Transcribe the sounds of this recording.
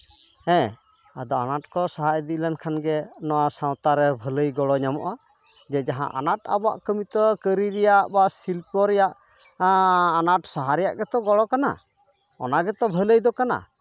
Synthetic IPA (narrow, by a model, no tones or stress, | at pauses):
ɛ̃ | a̰d̪ɔanaʈkɔsaɦad̪iʔlankʰanɡɛnɔwasãw̃t̪aɾɛbʱələjɡɔɽɔɲamɔ̰ʔa | d͡ʒɛd͡ʒaɦã̰ʔa̰naʈa̰bɔa̰ʔkəmit̪ɔkəɾiɾɛjaʔbasilpɔɾɛjaʔ | anaʈsaɦaɾɛja̰ʔɡɛt̪ɔɡɔɽɔkana̰ | ɔ̰naɡɛt̪ɔbʱələjd̪ɔkana̰